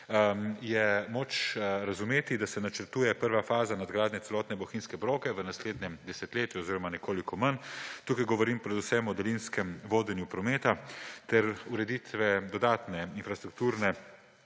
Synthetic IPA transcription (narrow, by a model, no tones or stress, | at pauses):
jɛmoːt͡ʃɾazumeːt̪id̪asɛnat͡ʃəɾt̪uːjɛpəɾʋafaːzanad̪ɡɾaːd̪nɛt̪ɛlɔːt̪nɛbɔxinskɛbɾoːkɛʋənasleːd̪njɛmd̪ɛsɛt̪leːt̪juɔziːɾɔmanɛkoːlikɔmənt̪uːkajɡɔʋɔɾimpɾɛd̪usɛmɔd̪ɛlinskɛmʋoːd̪ɛnjupɾɔmeːt̪at̪ɛɾuɾɛd̪it̪ʋɛd̪ɔd̪aːt̪nɛinfɾast̪ɾuk̚t̪uːɾnɛ